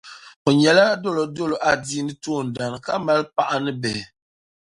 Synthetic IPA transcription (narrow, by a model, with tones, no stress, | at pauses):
o˨ɲɛ˨la˦do˦lo˨do˦lo˨ʔa˦˨di˦nɨ˦to˦˨n̩˨da˨n˨ka˦ma˦lpa˦ʔa˦nɨ˦bɛ˨